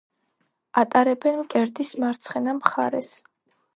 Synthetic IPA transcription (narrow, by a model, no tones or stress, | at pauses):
at̪ʼaɾɛbɛnmkʼɛɾd̪ismaɾt̪sʰχɛnamχaɾɛs